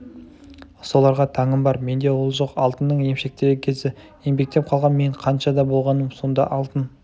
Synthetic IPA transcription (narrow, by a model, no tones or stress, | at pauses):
so̞lˠɑɾʁɑt̪ʰɑŋəmbɑɾme̞nd̪e̞wolˠʒoqɑlˠt̪ənːəɴje̞mʃe̞k̚t̪e̞ɾɡʲekʲʰe̞zɪ | je̞mbe̞k̚t̪e̞p̚qʰɑlˠʁɑnme̞ɴqʰɑnʃɑd̪ɑbo̞lˠʁɑnəmso̞nd̪ɑ̰ʔɑlˠt̪ən